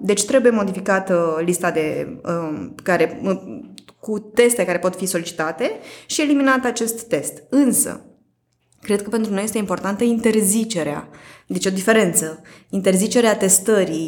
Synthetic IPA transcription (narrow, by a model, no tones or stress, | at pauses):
d̪e̞t͡ʃʲt̪ɾe̞buje̞mo̞d̪ifikat̪list̪ad̪e̞ | kaɾe̞ | kut̪e̞st̪e̞kaɾe̞po̞t̪fiso̞lit͡ʃi̥t̪at̪e̞ʃie̞liminat̪at͡ʃe̞st̪ːe̞st̪ɨnsə̰ | kɾe̞d̪̚kəpe̞nt̪ɾunojest̪eimpo̞rt̪ant̪əint̪e̞rzit͡ʃe̞ɾea̰d̪et͡ʃʲo̞d̪ife̞ɾe̞nt̪səint̪e̞rzit͡ʃe̞ɾeat̪e̞st̪əɾi